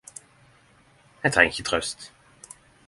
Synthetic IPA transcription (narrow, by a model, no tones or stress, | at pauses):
ɛt̪ʰɑɪçət̪ʰʁœst̪